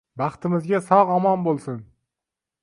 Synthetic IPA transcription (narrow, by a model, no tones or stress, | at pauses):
bɑχt̪ɪmɪzɡʲasɒʁɒmɒnbolˠsɪn